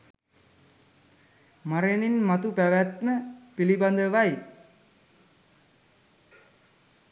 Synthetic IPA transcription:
maɾeninmat̪upæʋæt̪məpiliband̪əʋaj

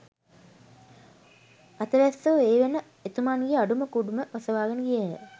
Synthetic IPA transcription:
at̪əʋæsoʋeːʋenə | et̪umanɡieaɖuməkuɖuməʋɐsəʋaːɡənəɡijḛ

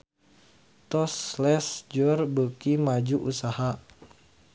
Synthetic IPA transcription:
t̪ɔslɛsd͡ʒɔrbəkimad͡ʒuʔusaha

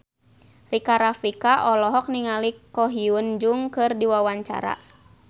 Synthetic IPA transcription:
rikaɾafikaʔɔlɔɦɔk̚niŋalikɔɦiund͡ʒuŋkɨrdiwawaɲt͡ʃa̰ɾa̰

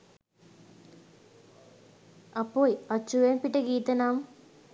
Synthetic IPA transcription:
ɐpːoːjɐt͡ɕːuʋempiʈːəɡiːt̪ɐnaːm

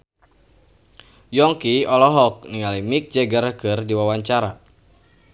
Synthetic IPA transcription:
jɔŋkiɔlɔɦɔk̚niŋalimik̚d͡ʒɛɡaɾəkɨrdiwawaɲt͡ʃaɾa

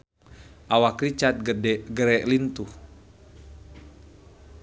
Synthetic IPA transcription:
ʔawakɾit͡ʃat̪̚ɡɡəɾɛʔlint̪u

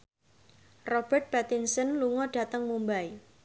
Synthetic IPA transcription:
rɔb̥ərt̪̚b̥at̪insənluŋɔɖ̥a̤t̪əŋmumbai

